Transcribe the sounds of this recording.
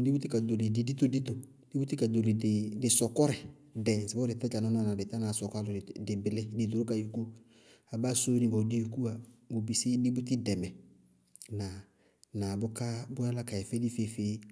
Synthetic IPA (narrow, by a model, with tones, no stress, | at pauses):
di˦bʊ˦t̪i˦ka˨do˨le˨di˨di˦t̪o˦di˦t̪o˨ | di˦bʊ˦t̪i˦ka˨do˨le˨dɪ˨dɪ˨sɔ˨kɔ˦ɾɛ˨ | dɛ˨sɛ˨bɔ˦ɾɪ˨t̪ɛ˦t͡ʃa˨nɔ˦nɔ˦˨na˨dɪ˨t̪a˦na˨sɔ˨ka˦lʊ˨dɪ˨bɪ˨lɪ˦di˨d̪o˨ɾʊ˦ka˨jo˨ko˦ | a˨ba˦so˦nɪ̃˨˦bɔ˨di˦o˨ku˦a˨mo˨bi˨sɪ˦dɪ˦bʊ˦t̪ɪ˦dɛ˨mɛ˨ | na˨ | na˨bʊ˦ka˦bʊ˦a˦la˦ka˨jɛ˨fe˦di˦fe˦feː˦